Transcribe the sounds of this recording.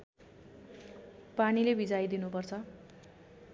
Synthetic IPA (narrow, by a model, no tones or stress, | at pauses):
panilebid͡zajd̪inupʌrt͡sʰʌ